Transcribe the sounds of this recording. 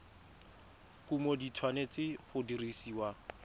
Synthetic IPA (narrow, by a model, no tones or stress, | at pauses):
kumoditʰwanet͡sɪχʊdirisiːwa